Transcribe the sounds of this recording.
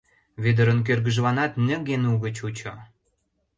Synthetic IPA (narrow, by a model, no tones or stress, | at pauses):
βed̪ə̆ɾə̆nk̬ørɣə̆ʒlɑnɑt̪nə̆ɣenuɣə̆t͡ɕut͡ɕo